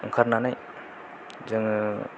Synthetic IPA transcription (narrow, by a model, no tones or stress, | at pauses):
ɯŋkʰaɾnanaj | zɯŋ